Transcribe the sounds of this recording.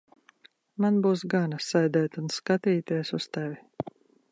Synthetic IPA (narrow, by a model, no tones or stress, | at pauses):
manbuːs̬ɡanasajd̪ɛjt̪unskat̪iːt̪iɛsust̪ɛvʲi